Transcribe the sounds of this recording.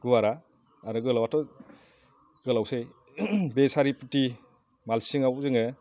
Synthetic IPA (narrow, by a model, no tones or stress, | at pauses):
ɡ̥uwaɾa | aɾɯɡɯlawatɔ | ɡ̥ɯlawsej | besaɾiputi | malsiŋawzɯŋɯ